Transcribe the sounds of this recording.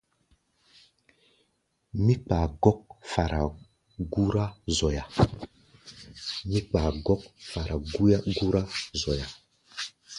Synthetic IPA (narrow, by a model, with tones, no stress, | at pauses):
mi˦k͡pa˨ɡɔ˦k̚fa˨ɾʔa˨ | ɡu˦ɾa˦zɔ˨ja˨ | mi˦k͡pa˨ɡɔ˦k̚fa˨ɾa˨ɡu˦ja˦ɡu˦ɾa˦zɔ˨ja˨